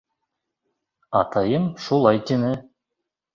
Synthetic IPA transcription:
ɑ̰t̪ʰɑjɤmʃulˠɑjt̪enɘ

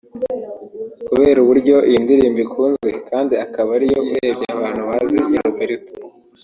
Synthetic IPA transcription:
kuβe̞ːɾuβuɾɟo̞ʔiindiɾiːmbikʰuːnzɡwe̞kaːndiakaβaɾijo̞ueɾebɟeaβaːn̥huβazijaɾubeɾitu

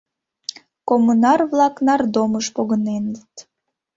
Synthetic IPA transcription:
komunɑrβlɑknɑrd̪oməʃpoɣənenət̪

